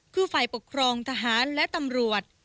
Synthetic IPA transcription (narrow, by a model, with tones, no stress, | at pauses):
kʰɯː˧fa˨˩jpo˨˩kʰɾɔː˧ŋt̪ʰa˧ɦaː˩˦nlɛ˦˥ʔt̪a˧mɾu˨˩ət̪̚